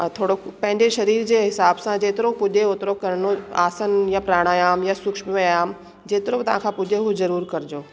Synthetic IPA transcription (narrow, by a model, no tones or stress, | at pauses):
t̪ʰoːɽopɐ̃ɦɪ̃ɲd͡ʑeʃɐɾiːɾd͡ʑeːɦɪsaːbsãd͡ʑeːt̪ɪɾopʊʄeot̪ɾokɐɾnoa̰ːsənjapɾaːɽ̃aːjaːmjasʊkʃmojaːm | d͡ʑeːt̪ɪɾobt̪ɐʋ̤ãkʰãpʊʄeɦozɐɾuːɾkɐɾɪd͡ʑoː